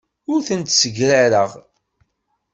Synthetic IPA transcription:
ʊɾθənt̪səɡɾaɾəʁ

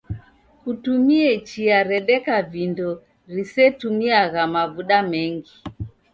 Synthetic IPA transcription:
kutumiɛt͡ʃiaɾɛɗɛkavindɔ | ɾisɛtumiaɣamaβuɗamɛŋɡi

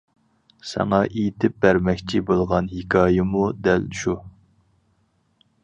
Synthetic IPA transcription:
sɛ̰ŋɑʔejt̪ʰɪp̚bæɾmɛkʲt͡ʃʰibolˠʁɑnɦekʰɑːjɪmud̪ɛlʃu

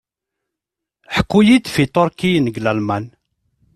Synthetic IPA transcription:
ħəkːujid̪fit̪ˤoɾkinəɡlælmæn

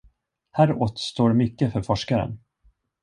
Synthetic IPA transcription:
hæːɾoːt̪st̪oːɾmʏkːəfœɾfɔʂkaɾə̰n

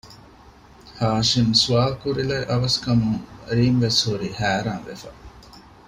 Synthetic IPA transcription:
haːʃimsuaːkuɾilɐʔɐʋɐskɐmuŋɾiːmʋeshuɾihæːɾaːnʋefɐ

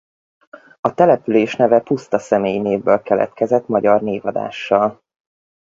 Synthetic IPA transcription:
ɒt̪ɛlɛpyleːʃnɛvɛpust̪ɒsɛmeːjineːvːølkɛlɛ̰t̪̚kɛzɛt̪mɒɟɒrneːvɒd̪a̰ːʃːɒl

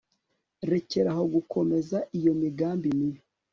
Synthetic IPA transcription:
ɾe̞ce̞ɾaɦo̞ɡukʰo̞me̞zaijo̞miɡaːmbimijo

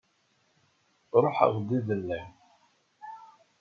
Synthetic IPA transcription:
ɾˤoħə̰ʁd̪iðəlːæ

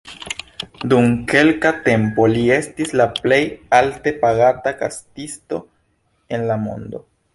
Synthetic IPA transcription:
dumke̞lkate̞mpo̞lie̞stislaple̞jalte̞paɡataka̰stisto̞ | e̞nlamo̞̰ndo̞̰

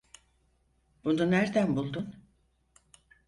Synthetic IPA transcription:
b̥ununæɾd̪ænbulˠd̪un

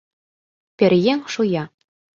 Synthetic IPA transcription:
pʲĕɾʲjeŋʃujɑ

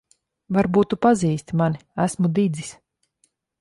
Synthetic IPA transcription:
vaɾbuːt̪upaziːst̪maniæsmud̪id̪zis

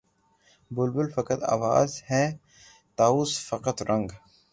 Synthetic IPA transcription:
bʊlbʊlfɐkət̪a̰ːʋa̰ːzhɛː | t̪aːuːsfɐqət̪ɾʔɐ̃ŋɡ

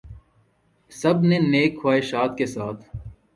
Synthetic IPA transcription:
sɐbneneːkʰːowaːeʃaːt̪kesaːt̪ʰ

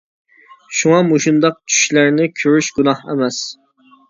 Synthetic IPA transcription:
ʃuŋɑmuʃund̪ɑq̚t͡ʃʰy̥ʃlæɾnɪkʲʰøɾyʃɡunɑhḛmɛs

